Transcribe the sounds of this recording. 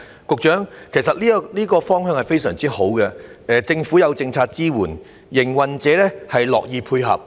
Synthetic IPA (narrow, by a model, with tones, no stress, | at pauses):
kʊ˨k̚t͡ʃœː˨˥ŋkʰe˨˩js̬ɐ˨t̚liː˥liː˥kɔː˧fɔː˥ŋɦœː˧ŋhɐ˨˩jfe˥jsœ̰ː˨˩ŋt͡siː˥ho˨˥wkɛ˧ɛ˨˧t͡sɪ˧ŋfuː˨˥jɐ˨˧wt͡sɪ˧ŋt͡sʰaː˧t̚t͡siː˥wuː˨˩n | jɪ˨˩ŋwɐ˨nt͡sɛː˨˥lɛː˥hɐ˨jlɔ̰ː˨k̚jiː˧pʰuː˧jɦɐ̰˨p̚